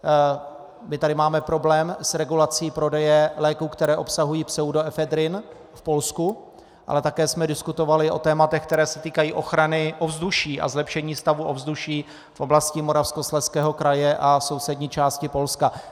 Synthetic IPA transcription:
mɪt̪adɪmaːmɛpɾo̞blɛːmsɾɛɡulat͡siːpɾo̞dɛjɛlɛːkuːkt̪ɛɾɛːʔo̞psaɦujiːpsɛudoɛfɛd̪ɾɪn | fpo̞lsku | ʔa̰lɛt̪akɛːsmɛdɪskut̪o̞valɪʔo̞̰t̪ɛːmat̪ɛxk̚t̪ɛɾɛːsɛt̪iːkajiːʔo̞xɾanɪʔovzduʃiːʔa̰zlɛpʃɛɲiːst̪avuʔovzduʃiː | fʔo̞blascɪmoɾafsko̞slɛskɛːɦo̞kɾajɛʔaso̞wsɛdɲiːt͡ʃaːscɪpo̞lska

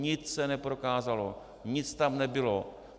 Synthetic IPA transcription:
ɲɪt͡ssɛnɛpɾokaːzalo̰ | ɲɪt͡st̪amnɛbɪlo

